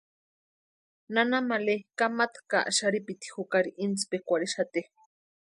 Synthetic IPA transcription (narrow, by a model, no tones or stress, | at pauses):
nanamalekamat̪ka̰ʔaʃaɾipit̪i̥xukaɾiʔint͡spekʷaɽeʃat̪e